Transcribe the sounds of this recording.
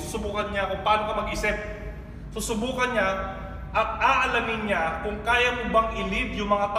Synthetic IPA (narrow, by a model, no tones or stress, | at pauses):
usʊbuːkɐnɲakʊŋpaːnokɐmɐɡʔɪsɪp̚ | susʊbuːkɐnɲa | ʔɐt̪̚aːʔɐlɐmɪnɲakʊŋkaːjamʊbaŋʔɪlɪb̪jʊŋmɐŋat̪